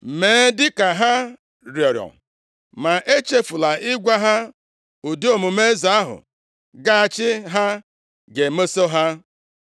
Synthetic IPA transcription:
meː˨˦dɪ˦ka˨ɦa˦ | ɾjɔ˨ɾjɔ̰˨n˨ | ma˨ʔe˦t͡ʃe˦fu˨la˨ɪ˦ɡʷa˦ɦa˦ | ʊ˨de˦o˨mu˨me˦za˨˦a˦ɦʊ̰˨ | ɡa˦a˨t͡ʃɪ˦ɦa˦ | ɡe˨me˦so˦ɦa˦

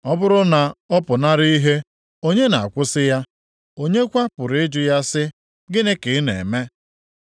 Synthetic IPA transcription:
ɔ˦bʊ˦ɾʊ˦na˨ɔ˦pʊ˨na˦ɾi˦i˦ɦe˦ | o˦ɲe˦na̰˨a˨kʷʊ˦sɪ˦ja˦ | o˦ɲe˦kʷa˦pʊ˨ɾɪ˦d͡ʒʊ˨ja˦sɪ˦ | ɡɪ˦nɪ˦kɪ˨˦nḛ˨me˦

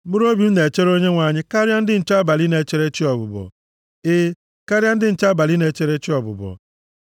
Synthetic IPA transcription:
mʊ˦ɾo˦bi˨˦ne˨t͡ʃe˦ɾo˦ɲe˦ŋʷa˨ɲɪ˦ka˦ɾja˦n̩˦dɪ˦n̩˨t͡ʃa˦ba˨li˦ne˨t͡ʃe˦ɾe˦t͡ʃɪ˦ɔ˨bʊ̰˨bɔ̰˨ | ɪ˦ | ka˦ɾja˦n̩˦dɪ˦n̩˨t͡ʃa˦ba˨li˦ne˨t͡ʃe˦ɾe˦t͡ʃɔ˨bʊ̰˨bɔ̰˨

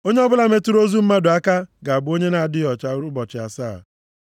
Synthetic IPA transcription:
o˦ɲe˦ɔ˦bʊ˦la˨me˦tu˦ɾo˦zu˦m̩˦ma˦dʊ˨a˦ka˦ɡa˨a˨bʊ˦o˦ɲe˦na˨dɪ˦ɔ˨t͡ʃa˨˦ɾʊ˦bɔ˨t͡ʃɪ˨a̰˨sa̰ː˦˨

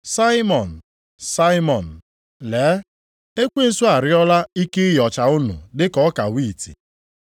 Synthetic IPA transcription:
sa˦ɪ˦mɔ˨n̩˨ | sa˦ɪ˦mɔ˨n̩˨ | leː˨˦ | e˦kʷe˦n̩˨sʊ˦a˨ɾɪ˦ɔ˦la˦i˦ke˦jɔ˨t͡ʃa˨ʊ˦nʊ̰˨dɪ˦kɔ˨˦ka˨wi˦˨tḭ˨

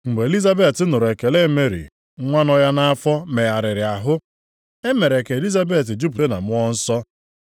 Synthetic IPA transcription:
ŋ͡m̩˨ɡ͡be˨e˨li˦za˦be˨tɪ˦nʊ˨ɾʊ˨e˨ke˨le˦me˦ɾḭ˨˦ | ŋʷa˦nɔ˦ja˦na˦a˦fɔ˦me˨a˨ɾɪ˨ɾɪ˨a˨ɦʊ˦ | e˦me˨ɾe˨ke˨li˦za˦be˦˨t̬ɪ˨d͡ʒu˦p̬u˨de˦na̰˨mʊ˦ɔ˦n̩˦sɔ˦

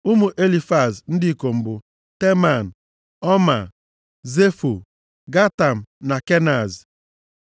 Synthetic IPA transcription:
ʊ˦mʊ˨ʔe˦li˨fa˨zn̩˦dɪ˦i˦ko˨m̩˨bʊ˨ | te˦ma˨n̩˨ | ɔ˦ma̰˨ | ze˦fu˨ | ɡa˦ta˨m̩˨na˨ke˦na˨z

